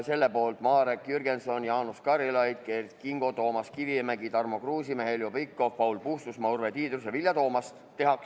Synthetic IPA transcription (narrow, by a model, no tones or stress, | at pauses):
se̞lːepo̞ːlt̪mɑːɾekjyrɡenso̞njɑːnuskɑɾilɑjd̪̥̚kert̪kiŋɡ̥o̞t̪o̞ːmɑskivimæɡit̪ɑrmo̞kruːsimeɦeljopikːˑo̞fpɑwlpust̪usmɑurvet̪iːd̪rusevilʲjɑt̪o̞ːmɑs | t̪e̞ɦɑks